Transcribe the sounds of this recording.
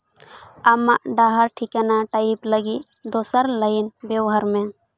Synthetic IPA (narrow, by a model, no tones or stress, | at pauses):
amaʔɖaɦaɾʈʰikanaʈaipləɡiʔ | d̪osəɾləjnbɛwɦəɾmɛ